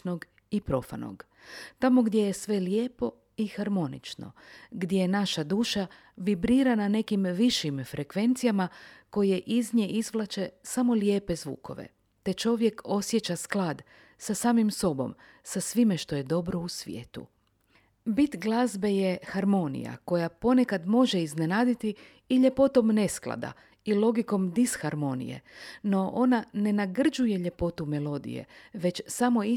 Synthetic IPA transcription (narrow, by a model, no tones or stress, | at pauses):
noɡ | ipɾo̞fa̰no̰ɡ | t̪amo̞ɡd̪je̞jesʋe̞ljeːpo̞ | ixaɾmo̞nḭt͡ʃno̞̰ɡd̪je̞jenaʃad̪uːʃa | ʋibɾiːɾanane̞kimʋiʃimfɾʔe̞kʋe̞nt̪sijamako̞jeʔizɲe̞ʔizʋlˠat͡ʃe̞samo̞lje̞ːpe̞zʋṵːko̞̰ʋḛ | t̪e̞t͡ʃo̞ʋje̞ko̞sje̞t͡ʃasklˠad̪ | sasaːmimso̞bo̞̰m | sasʋime̞ʃt̪o̞je̞d̪o̞bɾo̞usʋjḛːt̪ṵ | bit̪ɡlˠazbe̞je̞xaɾmo̞nḭja̰ko̞japo̞ne̞kad̪mo̞ʒe̞izne̞naːd̪it̪iː | ʎe̞po̞t̪o̞mne̞sklˠa̰d̪a̰ | ilˠo̞ɡiko̞md̪isxaɾmo̞nḭje̞̰no̞ʔo̞nane̞naɡr̩d͡ʒuje̞ʎe̞po̞t̪umelˠo̞d̪ḭje̞̰ʋe̞t͡ɕsamo̞i